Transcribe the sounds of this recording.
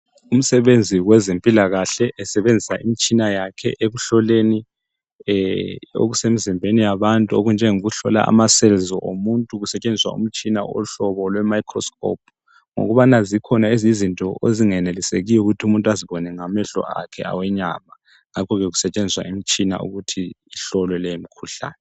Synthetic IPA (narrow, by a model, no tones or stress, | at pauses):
um̩sɛβend͡zʱiwɛzempʼilaɣaɬɛʔɛsɛβend͡zʱisaʔimit͡ʃʼinajakʰɛ̰ʔeɣuɬɔleni | o̰ɣusemizimbʱenijaβantʼuoɣund͡ʒʱɛŋoɣuɬɔla̰a̰masɛlzɔʔomuntʼuɣusɛt͡ʃʼend͡zʱiswa̰ṵm̩t͡ʃʼina̰ɔ̰ɬɔβɔlwɛmaikʰrɔskʰɔ̰p̚ʰ | ŋo̰ɣuβanazikʰɔnaezizintʼɔeziŋɛneliseɣijɔuɣutʰiumuntʼuaziβɔnɛŋamɛɬɔ̰ʔa̰kʰɛ̰a̰wɛɲa̰ma | ŋakʰɔɣɛɣusɛt͡ʃʼend͡zʱiswa̰ʔimit͡ʃʼina̰ṵɣutʰiːɬɔlɔlɛjomikʰuɬa̰ːnɛ